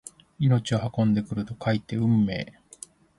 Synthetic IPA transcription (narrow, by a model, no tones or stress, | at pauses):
ino̞t͡ɕiohakõ̞nd̪e̞kɯ̟ɾɯt̪o̞kʰait̪ːe̞ɯ̟̃mːe̞̰ː